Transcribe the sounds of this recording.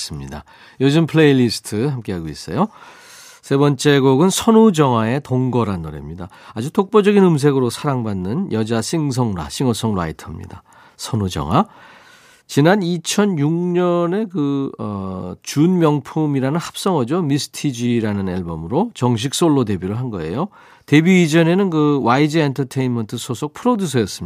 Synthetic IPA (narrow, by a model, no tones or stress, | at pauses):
s͈ɯmɲida̰ | jod͡ʑɯmpʰɭe̞iʎisʰɯ̥tʰɯɦamk͈e̞ɦaɡois͈ʌ̰jo | sʰe̞bʌnt͡ɕ͈e̞ɡoɡɯnsʰʌnud͡ʑʌŋwae̞toŋɡʌɾanːoɾḛmɲidaːd͡ʑutʰok̚p͈od͡ʑʌɡinɯms̬ʰe̞ɡɯɾosʰaɾaŋbanːɯnjʌd͡ʑaɕʰiŋs̬ʰʌŋɾwa̰ɕʰiŋʌs͈ʰʌŋɾa̰itʰamɲḭda | sʰʌnud͡ʑʌ̰ŋɦwa | t͡ɕinanit͡ɕʰʌnjuŋɲʌne̞kɯʌt͡ɕunmjʌŋpʰumiɾanɯnhḁp̚s͈ʌŋʌd͡ʑomisʰɯ̥tʰid͡ʑiɾanɯnaɭbomɯɾot͡ɕʌŋɕ̬ʰik̚s͈oɭːot̬e̞biɾɯɭɦanɡʌ̰e̞̰jo | te̞biid͡ʑʌne̞nɯnkɯwaid͡ʑɯentʰʌtʰe̞inmentʰɯsʰosʰok̚pʰɯɾodusʰʌjʌs͈ɯm